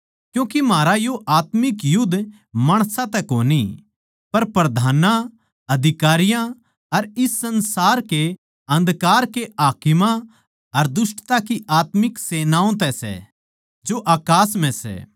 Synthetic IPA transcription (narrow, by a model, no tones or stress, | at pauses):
kjũːkimaːɾajoʔaːt̪mɪkjʊd̪ʱ | maːɽ̃sãt̪ɛkoːni | pɐɾpɾɐd̪ʱaːnã | ɐd̪ʱɪkaːɾɪjã | ɐɾɪsːɐ̃nsaːɾke | ɐ̃nd̪kaːɾkeʔaːkɪmã | ɐɾd̪ʊsʈt̪akiʔaːt̪mɪkseːnãːõt̪ɛsɛ̰ | d͡ʒoʔaːkaːsm̤ɛ̃sɛ̰